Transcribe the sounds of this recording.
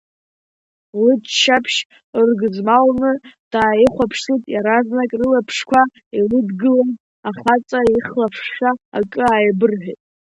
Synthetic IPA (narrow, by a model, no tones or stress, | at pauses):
lɨdʃapʰʃ | rɡɨzmalnɨd̥aːjiχʷapʰʂsɨtʼjaɾaznakʼrɨlapʰʂkʷʰa | ilɨdɡɨlan | aχat͡sʼaiχlapʰʂχʲaːkʼɨajbɨrħʷᶣetʼ